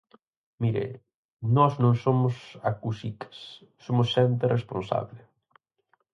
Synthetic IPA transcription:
miɾḛ | nɔznõŋsomʊsakusikɐ̥s | sːomʊsʃɛnt̪̬erʔespõnsa̰βle

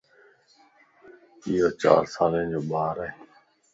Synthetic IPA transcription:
ɪjoːt͡ʃa̰ːɾsaːlẽːd͡ʒoːɓaːɾeː

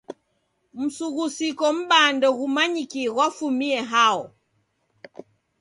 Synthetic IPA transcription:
m̩suɣusikɔm̩ɓandɔɣumaɲikiɣwafumiɛɦaɔ

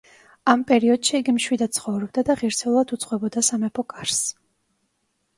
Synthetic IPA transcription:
ampʼɛɾiɔd̪̥ʃiːɡimʃwid̪ad̪̥̚sχɔvɾɔb̚d̪ad̪aʁiɾsɛulˠad̪ut̪sʼqʼwɛbɔd̪asamɛpʰɔkʼaɾs

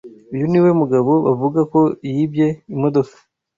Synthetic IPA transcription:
ujuniwe̞muɡaβo̞βavuɡako̞jibje̞imodo̞fḁ

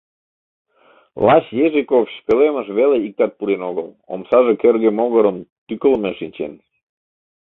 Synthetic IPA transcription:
lɑɕjeʒikofɕpeleməʃβeleik̚t̪ɑt̪̚puɾenoɣəl | o̰msɑʒekerɣemoɣəɾəmt̪ykəlmeʃinʲt͡ɕḛn

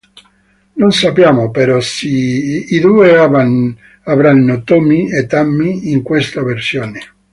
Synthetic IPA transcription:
nonsapjaːmopeɾɔsiid̪uːeaa | avɾanːot̪omiet̪ːamːiːŋkwest̪aversjoːne

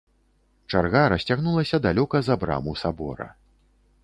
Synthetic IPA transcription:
t͡ʂarɣaɾɐsʲt͡sʲaɣnulˠɐsʲɐd̪alʲɔkɐzɐbɾa̰musabɔ̰ɾɐ̰

